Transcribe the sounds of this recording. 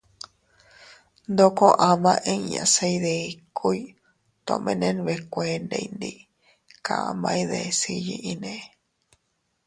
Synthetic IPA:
nd̪okõʔãmãʔẽiã̰sejðeikʰoj | t̪õ̰mẽnẽnβekʷend̪ḛjnd̪i | kaʔã̰mãjðesijiʔinẽ

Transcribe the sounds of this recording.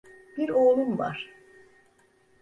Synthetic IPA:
biɾoːlˠumva̰ɾ̥

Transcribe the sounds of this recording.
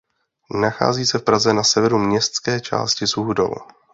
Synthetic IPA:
naxa̰ːziːsɛfpɾazɛnasɛvɛɾumɲɛst̪skɛːt͡ʃa̰ːscɪsuɦdo̰w

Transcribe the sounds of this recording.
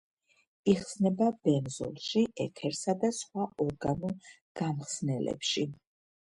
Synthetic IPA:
iχsnɛbab̥ɛnzɔ̰lˠʃiʔɛk̪ʰɛɾsad̪asχwaɔɾɡanu | ɡ̥amχsnɛlɛ̰pʃi

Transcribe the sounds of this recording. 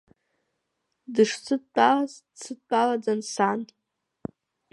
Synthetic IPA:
dɨʂt͡sʰɨt͡pʼaz | t͡sʰɨt͡pʼalad͡zansan

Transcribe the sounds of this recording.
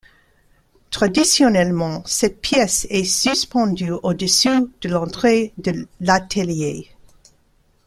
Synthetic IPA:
t̪χad̪isjɔnɛlmɑ̃sɛt̪̚pʰjɛsɛsyspɑ̃d̪yod̪əsyd̪̥əlɑ̃t̪χed̪əlat̪ʰəlje

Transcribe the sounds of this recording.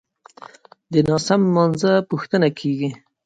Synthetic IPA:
d̪ənɑsamːɑnzapuxt̪ənakʰeɡi

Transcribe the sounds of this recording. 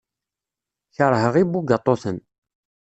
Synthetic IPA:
çəɾˤɦəʁibuɡɑt̪ˤːoθən

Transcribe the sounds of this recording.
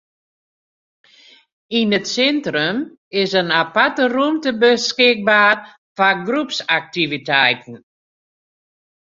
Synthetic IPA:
inətsɛntrəm | ɪsənapatərumtəbəskɪk̚baːr | faɡrupsak̚tivitɛjtn̩

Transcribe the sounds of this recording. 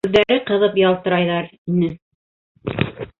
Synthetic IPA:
ðːæɾɘqɤ̆ðɤpjɑlˠt̪ɤ̆ɾɑjðɑɾinɘ

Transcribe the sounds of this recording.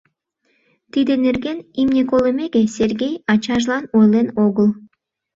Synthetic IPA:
t̪id̪eneɾɡʲenimnʲikolˠemʲeɡʲesʲerɡʲejɑt͡ɕɑʒlˠɑnojlˠenoɣəlˠ

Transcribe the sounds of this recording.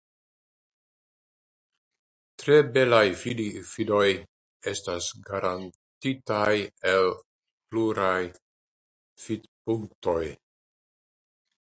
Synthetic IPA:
tɾebe̞lajfidifido̞j | e̞stasɡaɾan | titajel | pluɾaj | fid̪puŋk̚to̞j

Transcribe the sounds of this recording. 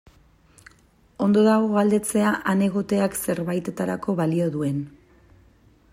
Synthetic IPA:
o̞nd̪o̞ðaɣo̞ɣald̪e̞t͡se̞aʔane̞ɣ̞o̞t̪e̞akse̞ɾβajt̪e̞t̪aɾako̞βalio̞ðue̞n

